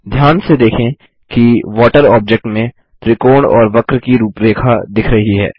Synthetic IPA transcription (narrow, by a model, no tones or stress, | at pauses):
d̪ʱjaːnsed̪eːkʰẽ | kiʋɔːʈəɾɔːb̚d͡ʒek̚ʈmẽ | t̪ɾɪkoːɳɔ̰ːɾʋɐkɾkiɾuːpɾeːkʰad̪ɪkʰɾɐɦiɦɛ̰ː